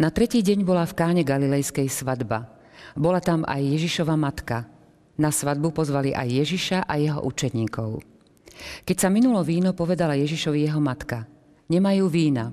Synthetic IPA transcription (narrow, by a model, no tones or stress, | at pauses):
nat̪ɾɛciːɟɛɲbɔlafkaːɲɛɡalilɛjskɛjsʋad̪ba̰ | bɔlat̪ama̰jːɛʒiʃɔʋamat̪ka | nasʋad̪̚bupɔzʋaliʔa̰jːɛʒiʃaʔajɛɦɔ̰ʔut͡ʃɛɲiːkɔʊ | kɛcsaminulɔʋiːnɔpɔʋɛd̪alajɛʒiʃɔʋijɛɦɔmat̪ka | ɲɛmajuːʋiːna